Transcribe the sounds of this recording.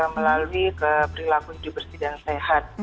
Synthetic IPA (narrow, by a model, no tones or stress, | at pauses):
məlaluikəpɾilakudibərst̪idansehat̪̚